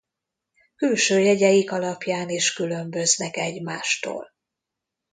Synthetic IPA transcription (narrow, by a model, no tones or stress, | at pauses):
kylʃøːjɛɟɛjikɒlɒpjaːniːʃkylø̞mbø̞znɛkɛɟmaːʃt̪o̰ːl